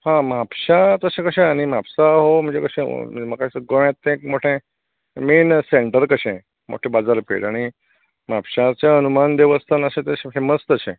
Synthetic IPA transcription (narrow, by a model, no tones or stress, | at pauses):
hãmapɕat̪əɕẽkəɕẽaɽ̃imapsaɦom̤ə̃ɳd͡zekəɕḛ̃mməkaɡoʋjãt̪ːẽkmoʈʰẽ | meːnseɳʈəɾkəɕẽ | mo̰ʈʰẽbad͡zaɾpḛɽaɽ̃i | mapɕat͡ɕjaənumand̪eʋəst̪ʰanəɕẽt̪əɕẽfeməst̪əɕḛ̃